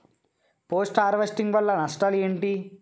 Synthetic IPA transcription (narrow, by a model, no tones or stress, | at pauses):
poːsʈaːɾʋesʈiŋɡʋɐlːɐnɐʂʈaːleːɳʈi